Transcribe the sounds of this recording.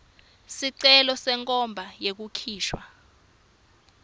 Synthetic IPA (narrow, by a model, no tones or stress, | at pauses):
siǀɛlɔsɛŋkʼɔmbʱajek̬ukʰiːʃwa